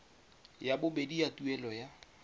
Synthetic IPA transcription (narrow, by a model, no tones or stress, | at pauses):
jabʊbediatuɛlɔja